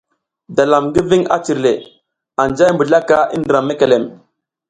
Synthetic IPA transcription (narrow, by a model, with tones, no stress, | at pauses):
da˨la˨mɡi˦vi˦ŋa̰˦t͡ʃi˨ɾle˨ | a˨nd͡ʒa˦jmbə˨ɮa˦ka˦ḭ˦ndə˨ɾa˨mːe˦ke˨le˨m